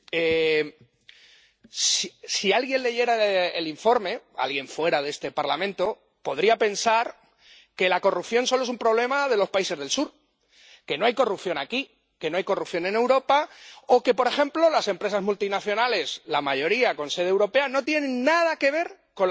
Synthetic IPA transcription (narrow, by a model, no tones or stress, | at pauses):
e | sisialɣje̞nle̞ʝe̞ɾaeliɱfo̞ɾme̞a̰lɣje̞ɱfwe̞ɾaðe̞st̪e̞paɾlamẽ̞nt̪o̞ | po̞ðɾiape̞nsaɾ | ke̞lako̞rupθjo̞nso̞loes̬umpɾo̞β̞le̞mað̞e̞lo̞spaise̞zðe̞lsuɾ | ke̞no̞ajkorup̚θjo̞naki | ke̞no̞ajko̞rupθjo̞nẽ̞ne̞wɾo̞pao̞ke̞po̞ɾe̞xe̞mplo̞lase̞mpɾe̞sazmult̪inaθjo̞nale̞slamaʝo̞ɾiako̞nse̞ðewɾo̞pe̞ano̞t̪je̞nẽ̞nːað̞ake̞β̞e̞ɾ | ko̞